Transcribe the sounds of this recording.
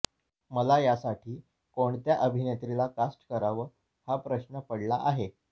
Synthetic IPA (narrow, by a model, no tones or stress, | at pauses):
məlajasaʈʰiː | koɳt̪jaʔəbʱinet̪ɾilakasʈəkəɾaʋə | hapɾəɕnəpəɽlaʔaɦe